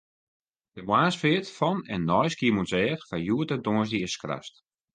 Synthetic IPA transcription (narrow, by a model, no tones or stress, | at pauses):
dəmwaːsfɪətfɔnɛ̰nːɔjskiəmutsɛːxfajuətədoːəsdiɪskra̰st